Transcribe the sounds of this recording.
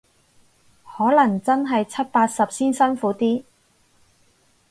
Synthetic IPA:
hɔː˨˥lɐ˨˩ŋt͡sɐ˥nɦɐ˨jt͡sʰɐ˥t̚paː˧t̚sɐ˨p̚siː˥nsɐ˥nfuː˨˥t̪iː˥

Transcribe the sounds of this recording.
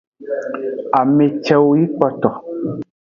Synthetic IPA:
a˨me˨t͡ʃɛ˦wo˦ji˦k͡pɔ˦tɔ˨

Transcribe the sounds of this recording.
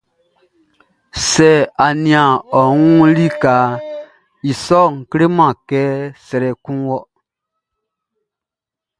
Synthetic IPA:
sɛ˨a˨nĩ˨ã˨ɔ˨ŋũ˦li˦ka˨˦ | i˨sɔ˦˨ŋ̩˨ke˦ɾe˦mã˨kɛː˦sɛ˧ɾɛ˨kũ˦wɔ˦

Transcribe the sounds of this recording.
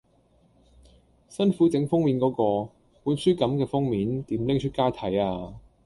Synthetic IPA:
sɐ˥nfu˨˥t͡sɪ˨˥ŋfʊ˥ŋmi˨˥nkɔː˨˥kɔː˧ | puː˨˥nsyː˥kɐ˨˥mkɛː˧fʊ˥ŋmiː˨˥nt̪iː˨˥mlɪ˥ŋt͡ʃʰɵ˥t̚kaː˥t̪ʰɐ˨˥jaː˧

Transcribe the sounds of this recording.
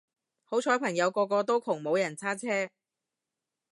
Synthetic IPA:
ho˨˥wt͡ʃʰɔː˨˥pʰɐ˨˩ŋjɐ˨˧wkɔː˧kɔː˧t̪o˥wkʰʊ˨˩ŋmo˨˧wjɐ˨˩nt͡sʰaː˥t͡sʰɛː˥

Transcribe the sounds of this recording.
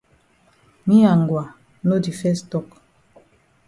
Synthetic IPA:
mi˦a˨ŋ˨ɡwa˨ | no˦di˨fɛ˦stɔ˦˨k

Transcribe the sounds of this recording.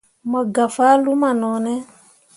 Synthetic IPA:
ma˨ɡa˨fa˦lu˦ma˨nɔ˨nɛ˦

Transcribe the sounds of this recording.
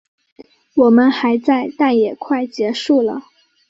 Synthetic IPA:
wɔ˨˩mə˦nxa˧˥ɪt͡sa˥˧ɪt̪a˥˩njɛ˨˩kʰwa˥˩ɪt͡ɕjɛ˧˥ʂu˥˩lə˩

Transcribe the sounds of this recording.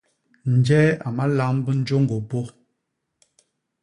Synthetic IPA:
n̩˨d͡ʒɛː˦a˨ma˦la˦mbə˦n̩˦d͡ʒo˦ŋ˦ɡo˨bo˦

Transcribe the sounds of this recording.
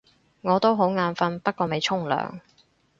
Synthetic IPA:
ŋɔː˨˧t̪o˥wɦo˨˥wŋaː˧nfɐ˥npɐ˥t̚kɔː˧me˨˧jt͡ʃʰʊ˥ŋlœ̰ː˨ŋ

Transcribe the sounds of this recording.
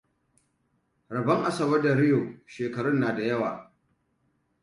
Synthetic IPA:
ɾɐ˨bɐ˦ŋʔa˦sɐ˨bɐ˦da˨ɾɪ˦joː˨ʃeː˨kɐ˨ɽʊ˦nːaː˨da˨jɐ˦waː˨

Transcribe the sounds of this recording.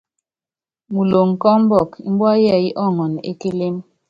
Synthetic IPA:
mu˨lo˨ŋ̩˨kɔ˦m˦bɔ˦˨kḭ˦m˦bwa˦jɛ˦˨i˦ʔɔ˦˨ŋɔ˨nḛ˦ke˦le˦m

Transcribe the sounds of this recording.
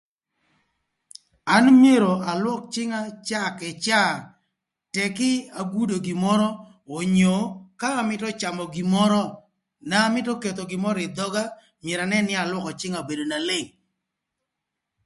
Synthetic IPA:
a˦nmje˦ɾo˨a˨lwɔ˦k̚t͡ʃɪ˦ŋa˦t͡ʃa˦kɛ˨t͡ʃa˦ | tɛ˨kɪ˦a˨ɡu˦do˨ɡi˨mɔ˦ɾɔ˦ | o˨ɲo˨kaː˦˨mɪ˦tɔ˦t͡ʃa˨mɔ˨ɡi˨mɔ˦ɾɔ˦ | naː˨˦mɪ˦tɔ˦ke˨t̪o˨ɡɪ˨mɔ˦ɾɪ˨d̪ɔ˦ɡa˦ | mɪje˨ɾa˨nɛ˦nɪ˦a˨lwɔ˦kɔ˨t͡ʃɪ˦ŋa˨be˨do˨na˨le˦˨ŋ

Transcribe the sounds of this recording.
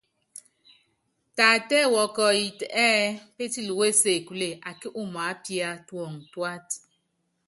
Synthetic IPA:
ta˨tɛ˦˨wɔ˨kɔ˨i˨tɛː˦pe˦ti˦lu˨we˦se˨ku˨le˨ʔa˨ki˦ʔu˦m˨a˨˦pi˦a˦twɔ˨ŋ˨twa˦t

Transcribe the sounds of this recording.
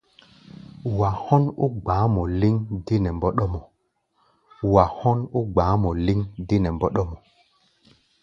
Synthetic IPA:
wa˨hɔ˦nu˦ɡ͡baː˨˦mɔ˨li˦ŋdi˦nɛ˨mbɔ˦ɗɔ˦mɔ˨ | wa˨hɔ˦nu˦ɡ͡baː˨˦mɔ˨li˦ŋdi˦nɛ˨mbɔ˦ɗɔ˦mɔ˨

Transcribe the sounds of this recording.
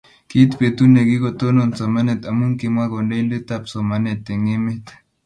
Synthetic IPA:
ki˦t̪pe˨t̪u˦ne˨ki˦ko˨t̪o˦no˨nt͡sa˨ma˦ne˨t̪a˨mu˦ŋki˨mwa˦ko˨nde˦lde˦t̪a˦pso˨ma˨ne˨t̪ːe˨ŋi˦me˦t̪

